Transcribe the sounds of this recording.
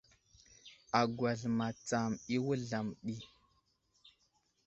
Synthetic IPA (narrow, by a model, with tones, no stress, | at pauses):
a˨ɡwa˨ɮma˨t͡sa˨mi˦wə˦ɮa˨mɗi˦